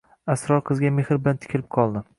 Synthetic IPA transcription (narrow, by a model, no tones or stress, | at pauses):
asɾɒɾqʰɨzɡʲamehɾbɪlant̪ʰɪ̥kʲʰɪlɪp̚qʰɒlˠd̪ɪ